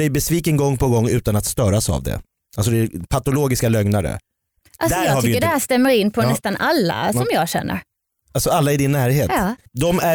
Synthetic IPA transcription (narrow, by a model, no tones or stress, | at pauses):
ɛjbɛsviːkənɡɔŋːpʰɔɡɔŋːʉ̟ːt̪anat̪st̪œːɾasa̰vd̪ɛ̰ | ʔalsɔd̪ɛpʰat̪ʊloːɡɪskalœŋnaɾə̰ | ʔald̪sɔjhaɾɪːəɖɛhæːʂt̪ɛmːəɾɪnːpʰɔnɛst̪anʔalːa̰sɔmjɑːɕɛ̰nːə̰ɾ | alsɔalːaɪd̪ɪnːæːɾɦeːt̪ːd̪ɔmæ